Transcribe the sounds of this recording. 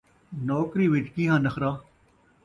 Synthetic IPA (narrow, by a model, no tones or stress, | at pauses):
nɔːkɾiːʋɪt͡ʃkiːɦãːnəxʰɾaː